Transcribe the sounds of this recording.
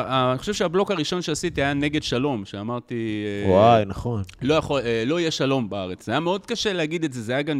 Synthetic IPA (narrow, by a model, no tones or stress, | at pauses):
anixoʃevʃeablo̞kaʁiʃo̞nʃeasit̪iajane̞ɡe̞d̪ʃalo̞mʃeamaʁt̪iewajnaχo̞nlo̞jaχoelo̞ijeʃalo̞mbaaʁet͡szajameo̞d̪kaʃeleaɡid̪eze̞zeajaɡam